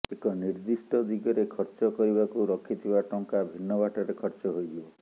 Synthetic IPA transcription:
ekɔniɾd̪isʈɔd̪iɡɔɾekʰɔɾt͡ʃɔkɔɾibakuɾɔkʰit̪ʰibaʈɔŋkabʱinːɔbaʈɔɾekʰɔɾt͡ʃɔɦojd̪ibɔ

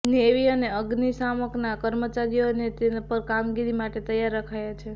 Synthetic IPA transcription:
neʋiəneəɡnisaməknakəɾmət͡ʃaɾijonet̪epəɾkamɡiɾimaʈet̪əjaɾəkʰajat͡ʃʰe

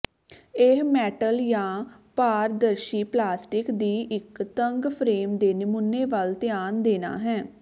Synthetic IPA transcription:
ɪɦmɛːʈəljãːpaːɾd̪əɾʃiːplaːsʈɪkd̪iːʔɪkt̪əŋɡpʰɾeːmd̪eːnɪmʊnːeːʋəlt̪ɪjaːnd̪eːna̰ːɦɛː

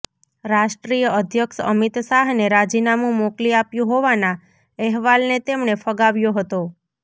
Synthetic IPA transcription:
ɾaʃʈɾijəəd̪ʱjəkʃəmit̪saɦneɾad͡ʒinamũmokliapjũɦoʋana | ɛɦʋalnet̪emɳefəɡaʋjoɦət̪o

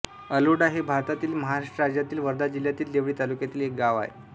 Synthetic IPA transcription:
əluɽaɦebʱaɾt̪at̪iːlməɦaɾaʂʈəɾad͡ʑjat̪iːlʋəɾd̪ad͡ʑiljat̪iːld̪eʋɭiːt̪alukjat̪iːlek̚ɡaʋa̰ḛ

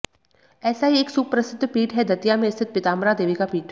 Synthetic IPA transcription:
ɛːsaɦieːksuːb̚pɾɐsɪd̪ʱːpiːʈɦɛd̪ʱɐt̪ijamẽɪst̪ʰɪt̪̚pɪt̪aːmɾad̪eːʋikapiːʈɛ

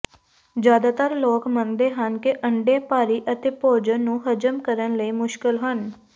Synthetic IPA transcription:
d͡ʒjaːd̪aːt̪əɾloːkmənd̪eːɦənkɪʔəɳɖeːpaːɾiːʔət̪eːpoːd͡ʒənːũːɦəd͡ʒəmkəɾənləiːmʊʃkɪlɦən

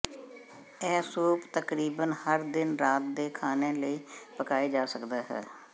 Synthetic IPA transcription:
ɛːsuːpt̪əkɾiːbənhəɾd̪ɪnɾaːt̪̚d̪eːkʰaːnẽːləiːpəkaːeːd͡ʒaːsəkd̪aːɦɛ̰ː

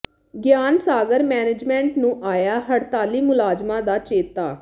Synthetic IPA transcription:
ɡjaːnsaːɡəɾmɛːnɪd͡ʒmɛ̃ːɳʈnũːʔaːjaːɦəɽt̪aːliːmʊlaːd͡ʒmãːd̪aːt͡ʃeːt̪aː

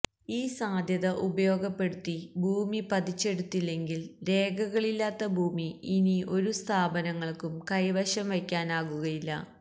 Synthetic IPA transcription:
iːsaːd̪ʱjɐðɐʔubɐjo̞ːɡɐpːe̞ɽut̪ːibʱuːmipɐd̪it͡ɕːe̞ɽut̪ːilːe̞ŋɡilɾe̞ːɡɐɣɐɭilːaːt̪ːɐbʱuːmiːnio̞ɾust̪ʰaːbɐnɐŋːɐɭkumkɐjʋɐɕɐmʋɐkʲːaːnaːɣuɣɐjilːɐ̰

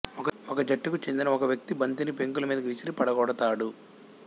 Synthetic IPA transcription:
ɔkɔkɐd͡ʒɐʈːikut͡ʃend̪inɐɔkɐʋjɐk̚t̪ibɐnt̪inipeŋkulɐmiːd̪ɐkʋisiɾipɐɽɐɡɔːɽɐt̪aːɽu

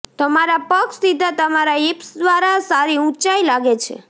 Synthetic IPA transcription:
t̪əmaɾapəkst̪id̪ʱat̪əmaɾaipsd̪ʋaɾasaɾiũt͡ʃailaɡet͡ʃʰḛ

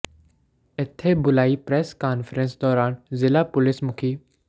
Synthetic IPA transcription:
ɪt̪ʰːebʊlaːipɾɛːskaːnfɾẽnsd̪ɔːɾaːnzɪlapʊlɪsmʊkʰiː

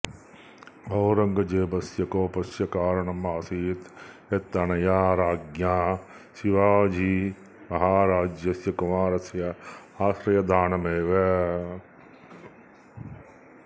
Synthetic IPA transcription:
bʱɐwɾɐŋɡɐd͡ʒeːbɐsjɐkoːpɐsjɐkaːɾɐɳɐmɐːsiːt̪ | et̪ːɐɳɐjaːɾaːɡjaː | ʃiʋaːd͡ʒʱiː | mɐɦaːɾaːd͡ʒjɐsjɐkumaːɾɐsjɐ | aːʃɾɐjɐd̪ʱaːɳɐmeːʋe

